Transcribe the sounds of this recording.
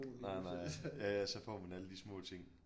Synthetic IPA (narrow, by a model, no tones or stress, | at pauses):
nnɑɪnɑɪjæjæsɒ̽fɒ̰ːmænæləd̥ismɔ̰̽ːt͡sʰe̝ŋ̰